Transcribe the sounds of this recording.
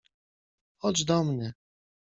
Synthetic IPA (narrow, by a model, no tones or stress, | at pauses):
ɔt͡ʃd̪ɔmnɘ